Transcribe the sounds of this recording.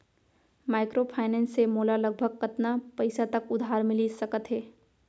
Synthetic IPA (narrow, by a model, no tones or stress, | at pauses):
maːɪkɾopʰaːɪnɛ̃ːnsːemoːlaləɡ̚bʱəɡ̚kət̪napɐɪsat̪əkʊd̪ʱaːɾmɪlisɐkət̪ɦɛː